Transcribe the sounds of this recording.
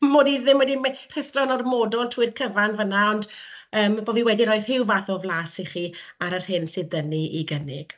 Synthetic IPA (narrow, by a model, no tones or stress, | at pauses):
moːdiðɪmwɛdimr̥ɪθrɔnarmɔdɔlˠtʰuɨrdkʰəvanvənaɔndəːmboviwɛdiɾɔɨr̥hɪwvaðɔvlˠasiχiːaɾər̥hɪnsɪðdəniʔiɡənɪ̰ɡ̥